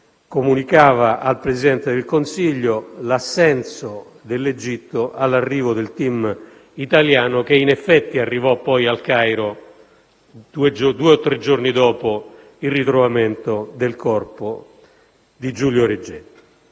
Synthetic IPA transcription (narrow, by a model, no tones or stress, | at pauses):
komunikaːvaʔalpɾezid̪ɛnt̪ed̪elkonsiʎːolasːɛnso | d̪elːed͡ʒit̪ːoʔalːarːiːvod̪elt̪im | it̪aljaːnok̟einɛfːɛt̪ːiarːivɔpːɔjalkajɾo | d̪ued͡ʒod̪uːeɔt̪ːɾed͡ʒːornid̪ɔːpo | ilrit̪ɾovament̪od̪elkɔrpo | d̪id͡ʒuljoɾed͡ʒːɛt̪ː